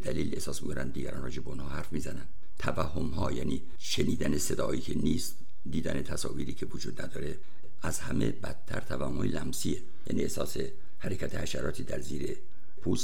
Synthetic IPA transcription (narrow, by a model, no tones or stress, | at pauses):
ed̪æliːle̞hsɒːsmikʰonʔænd̪iːɡæ̰ɾɒnrɒ̰ːd͡ʒebeonhɒːhæɾfmiːzænænd̪ | t̪ʰævæhːo̞mɦɒːjæːniː | ʃeniːd̪ænese̞d̪ɒːiːkʰeniːst̪ | d̪iːd̪æne̞t̪ʰæsɒ̰ːviːɾiːkʰevod͡ʒuːd̪næd̪ɒːɾe̞ | ʔæzhæme̞bæt̪ʰːæɾt̪ʰævæhmoilæmsie | jæ̰ːniːehsɒ̰ːse̞ | hæɾekʰæt̪ʰehæʃæɾɒːt̪ʰiːd̪æɾziːɾe | pʰus